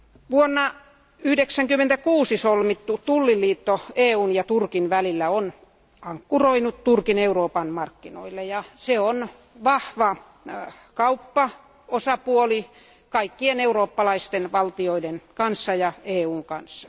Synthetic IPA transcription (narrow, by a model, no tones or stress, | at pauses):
ʋuonːɑ | yhdeksæŋkymːent̪ækuːsisolmit̪ːut̪ulːilːˑiːt̪ːoeːuːnjɑt̪urkinʋælilːæon | ɑŋkːuroinut̪t̪urkineuroːpɑnmɑrkːino̰ilːejɑseon | ʋɑhʋɑ | kɑupːɑ | osɑpuoli | kɑikːieneuroːpːɑlɑist̪enʋɑlt̪ioidenkɑnsːɑjɑeːuːŋkɑnsːɑ̥